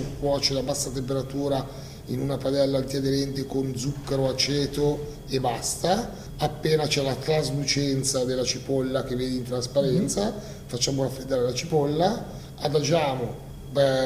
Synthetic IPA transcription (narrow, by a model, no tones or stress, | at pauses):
kːwɔːt͡ʃelabasːat̪emp̬eɾat̪uːɾa | inunapad̪ɛlːaːnt̪iad̪elɛnt̪ekond̪zukːaɾoat͡ʃɛːt̪o | ebast̪a | apːeːnat͡ʃɛlat̪ɾazlut͡ʃɛnt̪sad̪elːat͡ʃipolːak̟evːeːd̪eiːnt̪ɾaspaɾɛnt̪sa | fat͡ʃːaːmoɾafːɾed̪ːaːɾelat͡ʃipɔlːa | ad̪ad͡ʒaːmo